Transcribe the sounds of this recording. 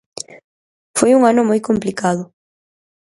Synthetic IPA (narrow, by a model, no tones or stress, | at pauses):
fojuŋanʊmojkomplikaðʊ